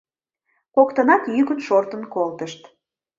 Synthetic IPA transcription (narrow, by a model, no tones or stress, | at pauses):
kokt̪ənɑt̪jykənʃort̪ənkolt̪əʃt̪